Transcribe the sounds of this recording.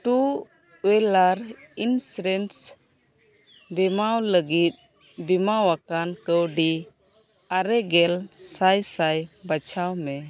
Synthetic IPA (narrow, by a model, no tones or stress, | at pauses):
ʈu | wɛlaɾinsɾɛns | bɛmawləɡit̪̚ | bɛmawakankəwɖi | aɾɛɡɛlsajsajbat͡ʃʰawmɛ